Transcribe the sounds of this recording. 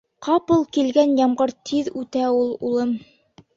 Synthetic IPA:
qɑpɤlˠkilɡænjɑmʁɤɾt̪ʰiðʉt̪æulˠṵlˠɤm

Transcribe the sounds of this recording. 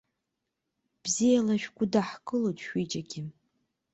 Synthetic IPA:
b̥zijalaʃᶣɡʷʊdaħkʼɨlotʰʼʃʷᶣit͡ʃʼaɡʲiɪ

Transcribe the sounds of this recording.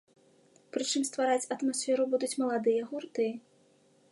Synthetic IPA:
pɾɨt͡ʂɨmst̪vaɾat͡sʲɐt̪masʲfʲɛɾubud̪ut͡sʲmɐlˠad̪ɨjɐɣurt̪ɨjɐ

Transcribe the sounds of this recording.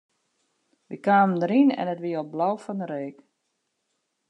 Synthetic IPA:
ʋikaːməndəɾinɛ̰nətʋiəoblawfɔndəɾeːk

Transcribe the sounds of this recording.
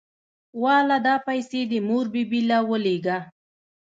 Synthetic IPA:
wɑlad̪ɑpajsed̪əmoɾbibilawəleɡa

